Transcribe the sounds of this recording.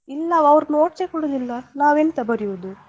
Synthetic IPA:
ilːɐɐʋɾnoːʈt͡ʃekɔɽod̪ilːɐnaːʋent̪ɐbɐɾijud̪u

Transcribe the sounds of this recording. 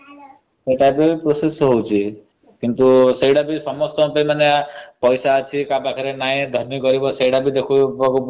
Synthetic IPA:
seʈajpopɾosesɦowt͡ʃʰi | kint̪usejɽabisɔmɔst̪ɔpejmaneapɔjsaɔt͡ʃʰikabakʰaɾenaĩd̪ʱɔɾmikɔɾibɔsejɽabid̪ekʰubɔku

